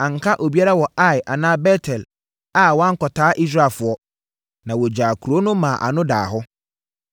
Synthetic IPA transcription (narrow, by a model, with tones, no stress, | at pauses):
ã˨ŋ̩˨kʰa˦ʔo˨bi˦a˦ɾa˦wɔ˨a˦jʔa˨nãː˦bɛ˦tʰɛ˨l | a˦wã˦ŋ̩˦kɔ˨tʰaː˦ʔi˦s̬ɾa˦˨lfʊ˨ɔ˦ | nã˨wɔ˨d͡ʑaː˨kʰu˨ɾo˦nʊ̃˦mã˨ʔa̰˨nʊ̃˦da̰ː˨ɦʊ˦